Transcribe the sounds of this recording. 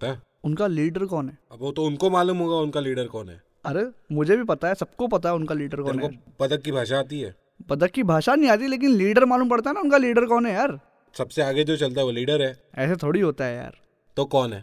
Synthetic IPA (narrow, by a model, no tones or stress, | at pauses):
t̪a | ʊnkaliːɖəɾkɔːnɦɛːɐbot̪oʊnkomaːluːmɦoːɡaʊnkaliːɖəɾkɔːnɦɛ̰ː | ɐɾemʊd͡ʒʱebʱipɐt̪aɦɛsɐb̚kopɐt̪aɦɛʊnkaliːɖəɾkɔːnɦɛaːɾ | bɐd̪əkːibʱaːʃaaːt̪iɦɛ̰ː | bɐd̪əkːibʱaːʃanɐɦĩaːt̪̬iɛleːk̬ɪnliːɖəɾmaːluːmpɐɽt̪aɦɛnaʊnkaliːɖəɾkɔːnɦɛjaːɾ | sɐbseaːɡed͡ʒot͡ʃɐlt̪aɦɛʋoliːɖəɾɦɛːɛ̰ːset̪ʰoːɽiɦoːt̪aɦɛja̰ːɾ | t̪okɔːnɦɛː